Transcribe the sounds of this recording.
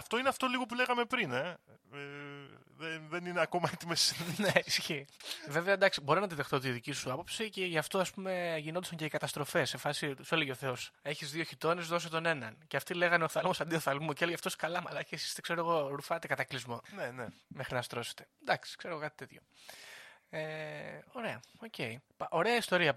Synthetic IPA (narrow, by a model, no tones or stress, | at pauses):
ɐft̪o̞ineɐft̪o̞liɣo̞pule̞ɣɐmepɾine̞e | ðenðenineɐko̞mɐet̪imesneisçive̞veɐd̪ɐksibo̞ɾinɐt̪iðext̪ot̪iðicisuɐpo̞psiceʝɐft̪o̞ɐspume̞ʝind̪usɐŋɲceikɐt̪ɐst̪ɾo̞fe̞sefɐsisoleʝeθe̞ose̞çizðio̞çit̪o̞nezðo̞s̬ot̪o̞ne̞nɐnceɐft̪ile̞ɣɐneoθɐlmo̞sɐnd̪ioθɐlmuceeloʝɐft̪oskɐlɐmɐlɐcesi̥st̪ekse̞ɾoeɣo̞ɾufɐt̪e̞kɐt̪ɐklizmo̞nenemexɾinɐst̪ɾo̞se̥t̪e̞̥d̪ɐksi̥kse̞ɾoɣo̞kɐt̪i̥t̪e̞t̪ço̞ | eoɾe̞ɐo̞ce̞ipʔo̞ɾe̞ɐist̪o̞ɾiɐ